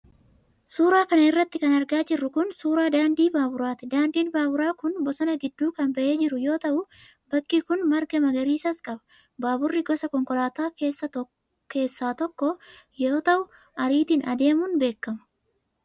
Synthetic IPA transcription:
suːɾaːkɐnɐɪrːɐt̪ːɪkɐnɐɾɡaːd͡ʒɪrːʊkʊnsuːɾaːd̪aːnd̪iːbaːbʊɾaːt̪ɛd̪aːnd̪iːnbaːbʊɾaːkʊnbɔsɐnɐɡɪd̪ːuːkɐnbɐʔe̞ːd͡ʒɪɾʊjo̞ːt̪ɐʔʊ | bɐkːiːkʊnmɐɾɡɐmɐɡɐɾiːsɐskʼɐbɐ̥ | baːbʊrːɪɡɔsɐkɔŋkɔlaːt̪aːke̞ːsːɐ | ke̞ːsːaːt̪ɔkːɔjoːt̪ɐʔʊ | ɐɾiːt̪iːnɐd̪e̞ːmʊnbe̞ːkːɐmɐ̥

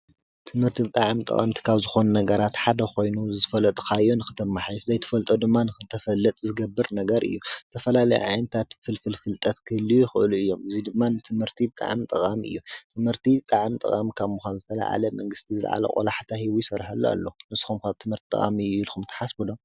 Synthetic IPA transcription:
t̪ʰɨmhɨɾt̪ʰibɨt̪ʼaʕmt̪ʼɐ̰χʼɐ̰mt̪ʰi̥kʰaβzɨxo̞nunɐɡɐɾat̪ħad̪ɐko̞jnuzɨfɐlɐt̪ʼkʰajonɨxɨ̥t̪ʰɐmːaħajzɐjt̪ʰɨ̥fɐlt̪ʼod̪ɨmːanɨxɨt̪ʰɐfɐlːɐt̪ʼzɨɡɐbːɨɾnɐɡɐɾʔɨ̰jːuzɨt̪ʰɐfɐlalɐjɛ̰ʕajnɐt̪ʰat̪fɨlfɨlfɨlt̪ʼɐt̪kʰɨhɨlːijɪxɨʔluɨjːo̞mɨzid̪ɨmːanɨt̪ʰɨmhɨɾt̪ʰibɨt̪ʼa̰ʕmt̪ʼɐqʼamiʔɨ̰jːut̪ʰɨmhɨɾt̪ʰit̪ʼaʕmt̪ʼɐ̰kʼamikʰaβmuxʷanzɨt̪ʰɐla̰ʔa̰lɐmɐŋɡɨst̪ʰizɨl̰ʕa̰lɐ̰kʼo̰laħt̪ʰahiβujsɐɾħalːo̰a̰lːonɨsxumkʰaβt̪ʰɨmhɨɾt̪t̪ʼɐ̰χʼa̰mijlxumt̪ʰɨ̥ħasbud̪om

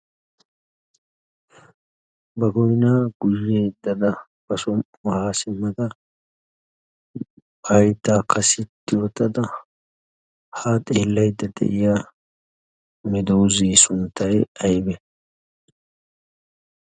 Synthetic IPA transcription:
bɐɡɔjnaːɡ̥ʊjːejd̪ɐd̪ɐ | b̥ɐsʊm | ɐhaːsɪmːɐd̪ɐ | ɐjt̪ːaːkʰɐsɪt̪ːɪwɔt̪ɐd̪ɐ | haːt̪ʼɛːlːɐjd̪ːɐd̪ɛ̰ʔɪja | mɪd̪oːziːsʊnt̪ːɐjɐjbɛ

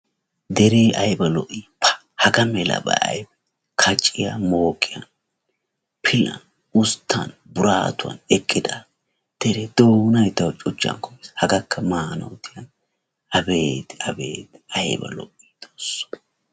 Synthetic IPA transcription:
d̪ɛɾeːʔɐjbɐlɔʔipʰɐ̥ | hɐɡɐmɛlɐ̰bɐ̰ʔɐ̰jbɐ | kʰɐt͡ʃʼːɪjamoːkʼːɪjɐn | pʰɪlɐ̰ | ʊst̪ʰːɐnbʊɾaːt̪ʊɐ̰nɛkʼːɪd̪a | d̪̥ɛɾɛd̪oːnɐjt̪ɐwt͡ʃʼɔt͡ʃːɐ̰nkɔjeshɐɡɐkːɐmaːnɐ̰wt̪ʰɪjɐn | ʔɐbeːt̪ɐbḛːt̪ɐjbɐ̰lɔ̰ʔid̪̥oːsːɔ̥

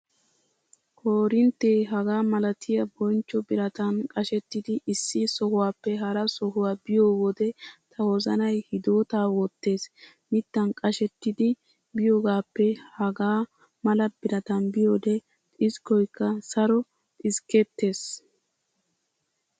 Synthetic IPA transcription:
kʰoːɾɪnt̪ːeːɦɐɡaːmɐlɐt̪ʰɪjɐbɔnt͡ʃːɔbɪɾɐt̪ɐnkʼɐʃɛt̪ːɪd̪ɪʔɪsːɪsɔhʊwaːpːɛɦɐɾɐsɔɦʊwaːbɪjoːwɔd̪ɛt̪ʰɐwɔzɐnɐjhɪd̪o̞ːt̪aːwɔt̪ːe̞ːs | mɪt̪ːɐnkʼɐʃɛt̪ːɪd̪ɪ | bɪjoːɡaːpːɛhɐɡaː | mɐlɐb̥ɪɾɐt̪ɐnbɪjoːd̪ɛ | t̪ʼɪskːɔjkːɐsɐɾɔ | t̪ʼɪskɛt̪ːe̞ːs

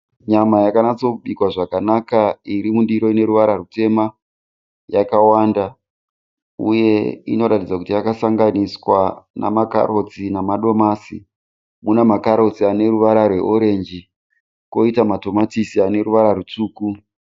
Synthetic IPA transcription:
ɲamajakanat͡so̞ɓikwaʐakanakaiɾimundiɾo̞ine̞ɾuʋaɾarute̞ma | jakawanda | ṵje̞ḭno̞ɾatid͡zakutijakasaŋɡaniswana̰maka̰ɾo̞t͡sinamaɗo̞maːsḭ | munamakaɾo̞t͡siane̞ɾuʋaɾarwe̞̰ʔoɾe̞nd͡ʒi | ko̞itamato̞matisiane̞ɾuʋaɾaɾut͡suːku

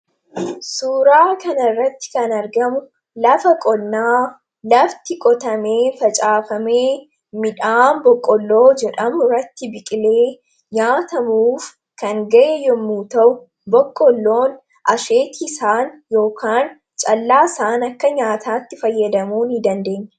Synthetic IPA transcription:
suːɾaːkɐnɐrːɐt̪ːɪ̥kɐnɐɾɡɐmʊ | lɐfɐkʼɔnːaː | lɐft̪ɪkʼɔt̪ɐme̞ːfɐt͡ʃʼaːfɐme̞ː | mɪᶑaːnbɔkʼːɔlːo̞ːd͡ʒɛᶑɐmʊrɐt̪ːɪbɪkʼɪle̞ː | ɲaːt̪ɐmuːf | kɐŋɡɐʔɛjɔmːuːt̪ɐʔʊ | bɔkʼːɔlːo̞ːn | ʔɐʃe̞ːt̪ʰisaːnjo̞ːkʰaːn | t͡ʃʼɐlːaːɪsaːnɐkːɐɲaːt̪ʰaːt̪ːɪfɐjːɐd̪ɐmuːnɪd̪ɐnd̪e̞ːɲːɐ̥

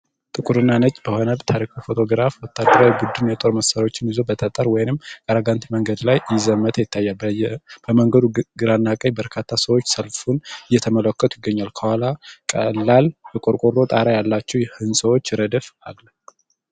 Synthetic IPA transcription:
t̪ʼɨkʼuɾɨnːanət͡ʃʼːbəhonəbt̪ʰaɾikʰufo̞t̪ʰo̞ɡɨɾafwɔt̪ʰːad̪əɾawjbud̪ːunjɛt̪ʼo̞ɾməsəɾo̞t͡ʃːɪnizobət̪ʰət̪ʼəɾwɔjɪnɨmkʼəɾaɡant̪ʰməŋɡəd̪lajjɪzəmːət̪ʰəjɪt̪ʰːajːalbb̥əməŋɡəd̪uɡɨɾanːakʼəjbəɾkʰat̪ʰːasəwot͡ʃːsəlfunɨjːɛt̪ʰəmələkːət̪ʰujɪɡːəɲːalkʰəwalakʼəlːalbɛkʼoɾkʼoɾo̞t̪ʼaɾajalːat͡ʃːɛwjɛhɨnsəwo̞t͡ʃːɾəd̪əfalla

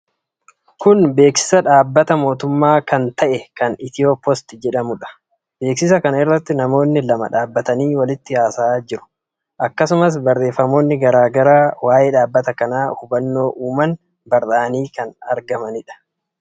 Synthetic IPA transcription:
kʊnbe̞ːksɪ̥sɐᶑaːbːɐt̪ɐmo̞ːt̪ʊmːaːkɐnt̪ɐʔɛkɐnɪt̪ɪoːpːɔst̪ɪd͡ʒɛᶑɐmʊᶑɐ̥ | b̥e̞ːksɪs̬ɐkɐnɪrːɐt̪ːɪnɐmo̞ːnːɪlɐmɐ̰ᶑaːbːɐt̪ɐniːwɐlɪt̪ːɪjaːsaːd͡ʒɪɾʊ̥ | ʔɐkːɐsʊmɐs̬bɐrːe̞ːfːɐmo̞ːnːɪɡɐɾaːɡɐɾaːwaːjeːᶑaːbːɐt̪ɐkɐnaːhʊbɐnːo̞ːʔuːmɐn | bɐɾːaːniːkɐnɐ̰ɾɡɐmɐnɪᶑɐ̥

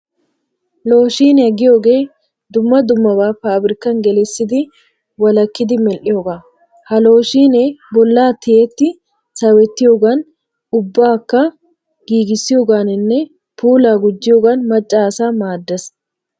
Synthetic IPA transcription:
lo̞ːʃiːnɐɡɪjoɡeː | d̪ʊmːɐd̪ʊmːɐbaːfaːbɾɪkɐŋɡɛlesːɪd̪ɪ | wɐlɐkːɪd̪ɪmɛlʔɪjoɡa | hɐlo̞ːʃiːnɛbɔlːaːt̪ɪet̪ːɪ | sɐwɛt̪ːɪjoɡɐn | ʊbːaːkːɐ | ɡ̥iːɡɪsːɪjoɡaːnɪnːɛ | pʰuːlaːɡʊd͡ʒːɪjoɡɐnmɐt͡ʃʼːaːsaːmaːd̪ːɐs

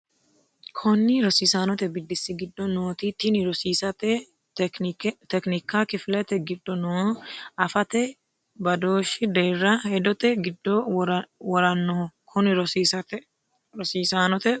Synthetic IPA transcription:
kʰɔnːɪɾɔsiːsanɔt̪ɛbɪd̪ːɪsːɪɡɪd̪ːɔnoːt̪it̪ːɪnɪɾɔsiːsɐt̪ɛ | t̪ɛknɪkːakɪflɛt̪ɛɡɪd̪ːɔnoːɐfɐt̪ɛ | bɐd̪oːʃɪd̪eːrːɐhɛd̪ɔt̪ɛɡɪd̪ːɔwɔɾɐnːɔɔkʰɔnɪɾɔsiːsɐt̪ɛ | ɾɔsiːsanɔt̪ɛ

